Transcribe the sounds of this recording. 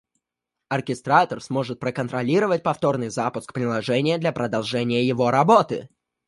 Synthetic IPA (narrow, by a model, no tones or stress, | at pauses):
ɐrkʲɪst̪ɾat̪ərsmo̞ʐɨt̪̚pɾəkənt̪ɾɐlʲiɾəvət̚ʲpɐft̪o̞rnɨjzapʊskpɾʲɪlˠɐʐɛnʲɪjəd̪lʲɐpɾəd̪ɐlˠʐɛnʲɪjəjɪvo̞ɾɐbo̞t̪ɨ̰